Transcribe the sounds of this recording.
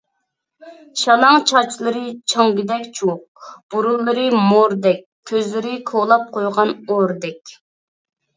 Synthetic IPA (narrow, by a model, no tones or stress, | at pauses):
ʃɑlˠɑŋt͡ʃʰɑt͡ʃʰlˠɨɾɨt͡ʃʰɑŋɡʲid̪ɛkʲt͡ʃʰuq̚b̥uɾulˠːɨɾɨmoɾd̪ɛkʲʰːøzlɪɾɪkʰolˠɑp̚qʰojʁɑnoɾd̪ɛkʲ